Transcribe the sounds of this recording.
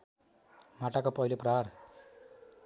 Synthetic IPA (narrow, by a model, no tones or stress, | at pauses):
mɐʈɐkɐpojlupɾaɾ